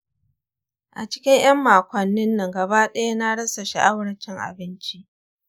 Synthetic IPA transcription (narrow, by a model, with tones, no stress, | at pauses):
ʔa̰˨t͡ʃɪ̥˦kʲɪ˦ɲj̰ɐ˦mːaː˨kʷɐ˨nːɪ˦nːɐ˨ŋɡɐ˨ba˦ɗɐ˦ja˦na˦ɽɐ˦sa˨ʃa̰˨ʔa˦wɽɐ˦t͡ʃɪ˦ŋʔa̰˨bɪ˦nt͡ʃi˦ʔ